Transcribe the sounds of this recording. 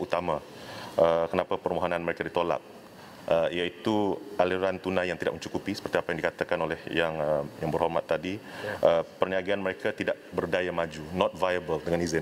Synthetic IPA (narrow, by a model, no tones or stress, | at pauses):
ut̪amã | ʔəkənãpapərmoɦonãnməɾekadit̪ola̰p̚ | ʔəijait̪uʔaliɾant̪unajaŋt̪idaʔ̚məɲt͡ʃukupisə̥pərt̪iapajaŋdikat̪akanolɛhjaŋəmjaŋbərɦormat̪ːadiʔəpərniaɡianməɾekat̪idaʔ̚bərdajamad͡ʒunɔt̪̚vajabəldəŋãnizɪn